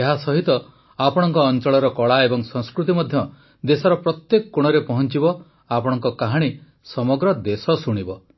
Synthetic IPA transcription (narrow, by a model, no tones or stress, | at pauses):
eɦasɔɦit̪ɔ | apɔɽ̃ɔŋkɔːnt͡ʃɔɭɔɾɔkɔɭaebɔŋsɔ̃ŋskɾut̪̬imɔd̪ʱjɔ | d̪esɔɾɔpɾɔt̪jekɔ̥kuɽ̃ɔɾepɔɦɔnt͡ʃibɔ | apɔɽ̃ɔŋkɔkaɦaɽ̃i | sɔmɔɡɾɔd̪esɔsuɽ̃ibɔ